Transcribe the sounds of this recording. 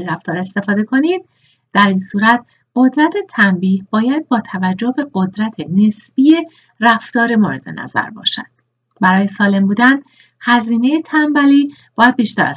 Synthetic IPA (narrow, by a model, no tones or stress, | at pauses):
iɾæft̪ɒːɾe̞st̪e̞fɒːd̪e̞kʰo̞niːd̪̥̚ | d̪̥æɾinsuːɾæt̪̚ʰ | ɢ̥o̞d̪ɾæt̪ʰe̞t̪ʰæmbiːhbɒːjæd̪̚bɒːt̪ʰævæd͡ʒːohbe̞ɢo̞d̪ɾæt̪ʰene̞sbije̞ | ræft̪ɒːɾe̞moɾe̞d̪e̞̰næ̰zæ̰ɾbɒ̰ːʃæ̰d̪̥ | bæɾɒːje̞sɒːle̞mbuːd̪æn | hæziːne̞jet̪ʰæmbæliː | b̥ɒːjæd̪̚biːʃt̪ʰæɾæ̰